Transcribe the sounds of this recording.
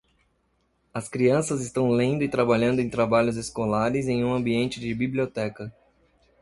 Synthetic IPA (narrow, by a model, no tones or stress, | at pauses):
ɐskɾiɐ̃sɐzɪst̪ɐ̃w̃lẽnd̪ʊɪt̪ɾabaʎɐ̃nd̪ʊẽj̃t̪ɾabaʎʊzeskolaɾɪzẽj̃ũɐ̃mbiẽnt͡ʃɪd͡ʒɪbibliot̪ɛkɐ